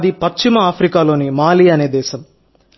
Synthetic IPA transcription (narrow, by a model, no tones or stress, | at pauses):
d̪ipɐt͡ʃt͡ʃimɐaːpʰɾikaːlo̞ːnimaːliɐne̞ːd̪ɛːʃɐm